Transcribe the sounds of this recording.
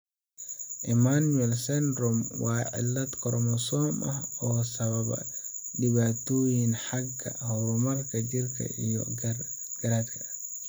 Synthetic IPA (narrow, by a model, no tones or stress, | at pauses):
ʔɪmanuɛlsɛndɾɔmwɑːʕɪ̰lːɐd̪kʰɔɾmɔsɔːmʔɐhɔːsɐβɐβɐ̰ɗɪβaːt̪ʰɔːjinħɑɡʰɐ̰hɔɾʊmɐrkʰɐd͡ʒɪrkʰɐ̰ʔijɔ̰ | ɡ̥ɐɾaːd̪kʰɐ̥